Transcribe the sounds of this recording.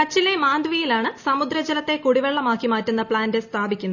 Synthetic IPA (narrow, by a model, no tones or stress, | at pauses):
kɐt͡ɕːile̞maːnd̪ʋijilaːɳɨsɐmud̪ɾɐd͡ʑɐlɐt̪ːe̞kuɽiʋeɭːɐmaːkːimaːtːunːɐpɭaːnde̞st̪ʰaːbʱikʲːunːɐ